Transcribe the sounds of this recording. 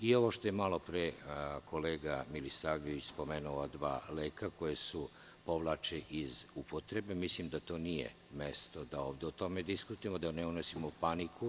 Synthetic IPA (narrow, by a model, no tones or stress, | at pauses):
io̞ʋo̞ʃt̪ojemalo̞pɾekʰo̞leːɡamilisaːʋʎeʋit͡ɕspo̞menuad̪ʋa̰ːleːkako̞jesu | po̞ʋlˠat͡ʃeʔizupot̪ɾe̞be̞mislimd̪at̪o̞ːnijḛ | me̞st̪o̞d̪ao̞ːʋd̪eot̪o̞me̞d̪iskut̪ujemod̪aneunosimopaniku